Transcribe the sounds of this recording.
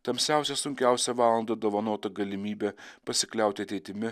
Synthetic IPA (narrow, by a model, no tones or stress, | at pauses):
t̪ɐmʲsʲæˑʊsʲɛsʊŋʲkʲæˑʊsʲɛʋɑːlˠɐnd̪ɐd̪oːʋɐnoːt̪ɐɡɐlʲɪmʲiːbʲepɐsʲɪklʲɛˑʊt̪ʲɪɐt̪ʲɛɪt̪ʲɪmʲɪ